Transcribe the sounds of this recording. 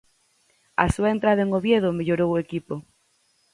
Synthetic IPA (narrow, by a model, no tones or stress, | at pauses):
a̰suaent̪ɾað̞aeŋoβjeð̞omeʎoɾowoekipo